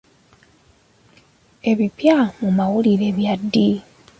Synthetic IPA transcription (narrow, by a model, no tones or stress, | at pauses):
e̞βipjamumawuliɾe̞βjadːi